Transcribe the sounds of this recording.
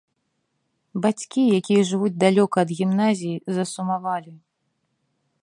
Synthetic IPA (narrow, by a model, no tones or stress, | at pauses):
bat͡sʲkʲijakʲijɐʐɨvud͡zʲd̪alʲɔkɐːd̪ɣʲimnazʲijizɐsumavalʲi